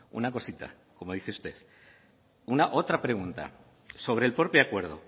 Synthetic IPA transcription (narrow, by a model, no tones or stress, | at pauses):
ṵnako̞sit̪a̰ | ko̞mo̞ð̞iθeust̪e̞θ | unaʔo̞t̪ɾapɾe̞ɣ̞unt̪a̰ | so̞β̞ɾe̞lpɾopjakwe̞ɾð̞o̰